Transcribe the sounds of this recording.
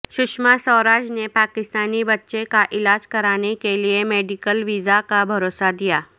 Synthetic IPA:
ʃʊʃmasɔːɾaːd͡ʒnepaːkɪst̪aːnibɐtːʃekaʔɪlaːd͡ʒkɐɾaːnekeliemeːɖɪkəlʋiːzakabʱɐɾoːsad̪ijaː

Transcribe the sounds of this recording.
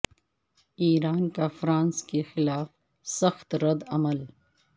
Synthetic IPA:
iːɾaːnkafɾãːnskexɪlaːf | sɐxt̪ɾɐd̪ɐməl

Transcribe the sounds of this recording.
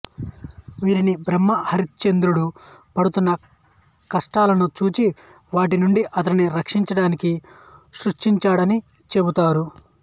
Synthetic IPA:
ʋiːɾinibɾɐmːɐhɐɾit̪t͡ʃe̞nd̪ɾuɽupɐɽut̪unːɐ | kɐʂʈaːlɐnut͡ʃuːt͡ʃi | ʋaːʈ̬inuɳɖiʔɐt̪ɐɾiniɾɐkʂiɲt͡ʃɐɽaːniki | ʃɾuʂʈiɲt͡ʃaːɽɐni | t͡ʃe̞but̪aːɾu

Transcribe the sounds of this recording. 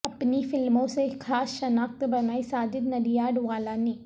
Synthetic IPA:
ɐpnifɪlmõsekʰaːsʃɐnaːk̚t̪bɐnaːisaːd͡ʒɪd̪nɐɾijaːɖʋaːlaːniː

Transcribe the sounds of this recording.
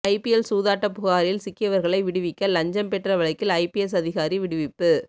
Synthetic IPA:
ɐɪpɪɛlsuːðaːʈːɐpːʊɣaːɾɪlsɪkːɪjɐʋɐɾɣɐɭɐɪʋɪɽɯʋɪkːɐlɐɲd͡ʒɐmpɛʈrɐʋɐɭɐɪkːɪlɐɪpɪɛs̬ɐðɪɣaːɾiʋɪɽɯʋɪppːɯ

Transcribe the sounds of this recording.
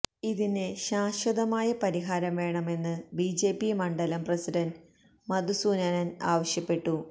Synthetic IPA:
iðineɕaːɕʋɐðɐmaːjɐpɐɾiɦaːɾɐmʋe̞ːɳɐme̞nːɨbid͡ʑe̞ːpːimɐɳɖɐlɐmprɐsidɐn | mɐd̪usuːnaːnɐnaːʋɐɕjɐpːe̞ʈːu

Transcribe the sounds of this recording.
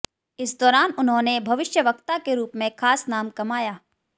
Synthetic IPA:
ɪsd̪ɔːɾaːnʊnɦõːnebʱɐʋɪʃjəʋɐkt̪akeɾuːpmẽkʰaːsnaːmkɐmaːjaː

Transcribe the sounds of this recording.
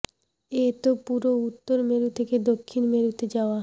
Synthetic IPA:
et̪opuɾout̪ːoɾmeɾut̪ʰeked̪okʰːinmeɾut̪ed͡ʑaoa

